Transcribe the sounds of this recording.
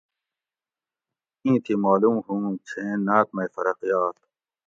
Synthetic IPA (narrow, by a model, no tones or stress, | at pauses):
ĩːt̪ʰimaːlumɦũt͡ɕʰẽːnaːt̪̚mɐjfɐɾɐqijaːt̪̚